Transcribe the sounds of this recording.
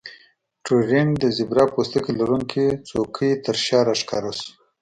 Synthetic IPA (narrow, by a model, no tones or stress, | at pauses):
ʈuɾind̪əzɪbɾɑpost̪əkilaɾuŋkit͡sokʰit̪əɾʃɑɾaʂkɑ̰ɾos